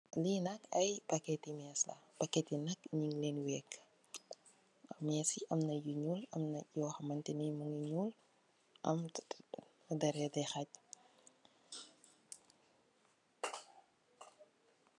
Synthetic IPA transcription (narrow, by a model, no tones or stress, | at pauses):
linɐkɐjpakɛtimɛslɐ̰pakɛtinɐkɲiŋlɛnwɛːk | mɛːsiʔɐmnɐjuɲulɐ̰mnɐjɔːxɐmɐntɛnijmuŋuɲul | ʔɐ̰m | dɐɾɛdɛxac̚